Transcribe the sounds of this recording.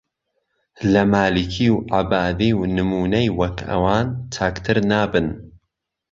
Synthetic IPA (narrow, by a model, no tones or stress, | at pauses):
lɐmaːlikʰiwʕabaːd̪iːwnɨmuːnɐjwɐkɐ̰waːnt̪ʰaːkt̪ʰɨɾnaːbɨn